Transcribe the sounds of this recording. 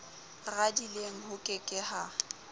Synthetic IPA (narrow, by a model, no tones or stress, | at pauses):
ɣadileŋ̩hʊkʼɪkʼɪha